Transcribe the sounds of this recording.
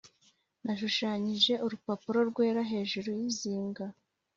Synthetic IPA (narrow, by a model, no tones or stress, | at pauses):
naʃuʃaɲiʒe̞uɾupapuɾo̞ɾɡwe̞ːɾaɦe̞ːʒuɾojiziːŋɡa